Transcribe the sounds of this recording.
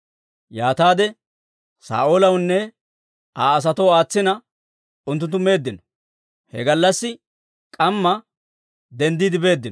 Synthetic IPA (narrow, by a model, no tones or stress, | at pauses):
jaːt̪aːd̪ɛ | sa̰ːʔoːlɐwnːɛ | ʔaːɐs̬ɐt̪owaːt͡sːɪnɐ | ʊnt̪ːʊnt̪ːʊme̞ːd̪ːɪnɔ̥ | hɛ̰ɡɐlːɐsːɪ | kʼɐmːɐ | d̪ɛnd̪iːd̪ɪbe̞ːd̪ːɪnɔ